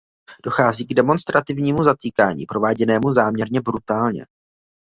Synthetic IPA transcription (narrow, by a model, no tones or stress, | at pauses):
d̥o̞xaːziːɡdɛmo̞nst̪ɾat̪ɪvɲiːmuzat̪iːkaːɲḭːpɾo̞vaːɟɛnɛːmuzaːmɲɛɾɲɛbɾut̪aːlɲɛ̰